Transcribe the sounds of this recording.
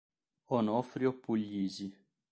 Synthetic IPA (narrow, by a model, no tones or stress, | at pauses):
ɔnɔfɾiɔpːulːizi